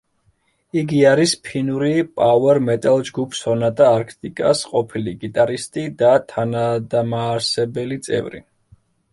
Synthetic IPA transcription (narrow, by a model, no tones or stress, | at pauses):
iɡiaɾispʰinuɾipʼawɛɾmɛt̪ʼalˠd͡ʒɡupʰsɔnat̪ʼaːɾkʰt̪ʼikʼa̰sqʼɔpʰiliɡit̪ʼaɾist̪ʼid̪at̪ʰanad̪amaːɾsɛbɛlit̪sʼɛ̰vɾḭ